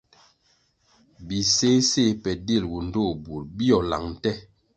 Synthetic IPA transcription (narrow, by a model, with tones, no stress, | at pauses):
bi˨se˦se˦pɛ˨de˦˨lwu˨n̩˨˦do˦˨bu˨ɾbi˦ɔ˨la̰˨ŋn̩˨tɛ˦